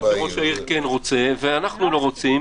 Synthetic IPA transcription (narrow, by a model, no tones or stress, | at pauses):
χoʃaiʁkenʁo̞t͡se̞veanaχnulo̞ʁo̞t͡sim